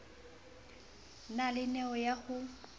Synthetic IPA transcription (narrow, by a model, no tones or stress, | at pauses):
nalɪnɛɔjaɣʊ